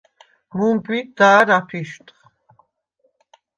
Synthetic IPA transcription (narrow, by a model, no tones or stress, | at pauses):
mumpʼid̪aːɾapʰiʃt̪ʰʼχ